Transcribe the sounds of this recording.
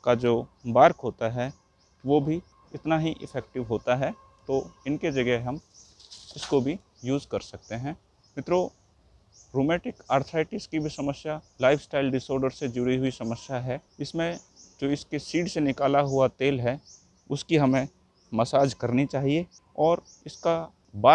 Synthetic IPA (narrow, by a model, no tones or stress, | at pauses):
kad͡ʒoːbaːɾkɦoːt̪aɦɛ | ʋobʱi | ɪt̪naɦiʔɪ̰fʰɛːk̚ʈɪʋɦoːt̪aɦɛ | t̪oːɪnked͡ʒɐɡəɦɦɐm | ɪskobʱi | juːzkɐɾsɐk̚t̪eɦɛ̃ː | mɪt̪ɾoː | ɾoːmɛːʈɪkaːɾt̪ʰɾaːɪʈɪskibʱisɐməsjalaːɪfsʈaːɪlɖɪsɔːɾɖəɾsed͡ʒʊɽiɦʊisɐməsjaɦɛɪsmẽd͡ʒoːɪskesiːɖsenɪkaːlaɦuat̪eːlɦɛ | ʊskiɦɐmẽ | mɐsaːd͡ʒkɐɾnit͡ʃaːɦie | ɔːɾ | ɪska | baː